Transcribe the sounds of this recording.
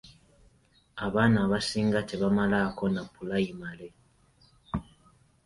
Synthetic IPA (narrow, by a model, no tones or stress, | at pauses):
aβaːnaːβasiːŋɡateβamalako̞napulaimale